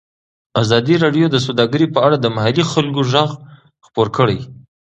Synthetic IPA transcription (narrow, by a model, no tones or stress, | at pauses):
azɑd̪iɾɑɖjod̪əs̬awd̪ɑɡəɾipəaɽad̪əmahalixalkoʒaɣ | xpoɾkəɽaj